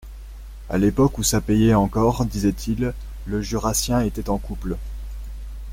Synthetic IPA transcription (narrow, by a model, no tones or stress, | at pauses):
a̰lepɔkusapejɛɑ̃kɔʁd̪izɛt̪ʰilː | əʒyʁasjɛ̃et̪ɛt̪ɑ̃kupl